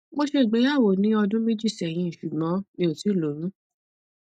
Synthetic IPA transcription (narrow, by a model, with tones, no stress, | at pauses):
mo˧ʃe˧˨ɡ͡be˨˧˦ja˦˨wo˨nĩ˨˦ɔ˧dũ˦mẽ˦d͡ʒi˦˨sɛ˨j̃ĩ˧˨ʃu˨ɡ͡bɔ̃˨˦nĩ˧˦o˨ti˨˦˨lo˨˦ɾ̃ũ˦